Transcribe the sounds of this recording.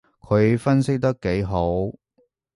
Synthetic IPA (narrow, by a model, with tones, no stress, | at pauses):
kʰɵ˨˧ɥfɐ˥nsɪ˥k̚t̪ɐ˥kːe˨˥jɦo˨˥w